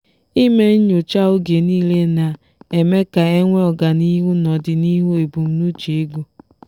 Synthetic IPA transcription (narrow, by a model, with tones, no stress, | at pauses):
i˦me˦ɲo˨t͡ʃa˦ʊ˦ɡe˨niː˦le˦na˨ | e˨me˦ka˨e˦ŋʷe˦ɔ˨ɡa˨ni˦ɦu˦nɔ˨dɪ˨ni˦ɦu˦e˨bu˨m̩˦nu˦t͡ʃe˨e˦ɡu˦